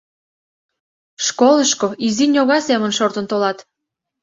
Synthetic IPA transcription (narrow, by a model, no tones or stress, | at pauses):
ʃkoləʃkoizinʲoɣɑsemə̆nʃort̪ə̆nt̪olɑt̪